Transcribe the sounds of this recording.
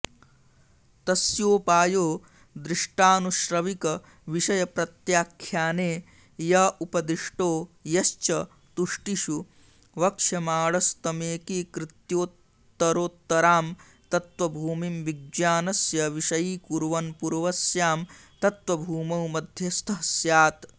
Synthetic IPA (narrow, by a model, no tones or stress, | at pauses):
t̪ɐsjoːpaːjoː | d̪ɾɪʂʈaːnuʃɾɐʋikɐ | ʋiʃɐjɐpɾɐt̪jaːkʰjaːneː | jɐupɐd̪ɾiʂʈoːjɐst͡ʃɐ | t̪uʂʈiʃu | ʋɐkʂjɐmaːɭɐst̪ɐmeːkiːkɾɪt̪joːt̪ː | ɐɾoːt̪ːɐɾaːm | t̪ɐt̪ʋɐbʱuːmimʋiɡaːnɐsjɐʋiʂɐjiːkuɾʋɐnpuɾʋɐsjaːmt̪ɐt̪ʋɐbʱuːmɐwmɐd̪ʱjɐst̪ʰɐɦɐsjaːt̪